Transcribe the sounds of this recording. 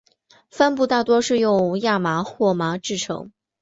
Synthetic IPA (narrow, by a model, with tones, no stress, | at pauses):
fa˥npu˥˧t̪a˥˩t̪wɔ˥ʂɻ̩˥˧jʊ˥˧ŋja˥˩ma˧˥xwɔ˥˩ma˧˥ʈ͡ʂɻ̩˥˩ʈ͡ʂʰɤ̰˧˥ŋ